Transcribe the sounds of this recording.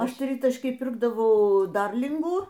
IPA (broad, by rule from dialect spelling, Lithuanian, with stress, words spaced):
ˈɐʃ ˈtʲrʲɪtɐʃʲkʲiːj ˈpʲɪrɡdɐʋɐʊ ˈdɐrʲlʲɪŋɡuː